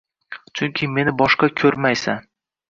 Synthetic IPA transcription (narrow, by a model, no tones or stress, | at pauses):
t͡ʃʰʊŋkʲʰɪme̞nɪbɒʃqɑkʲʰɵɾmajsan